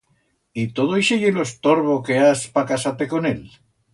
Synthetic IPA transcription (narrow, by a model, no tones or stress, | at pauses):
it̪oðoiʃiɣiloest̪oɾβokeaspakasat̪ekonel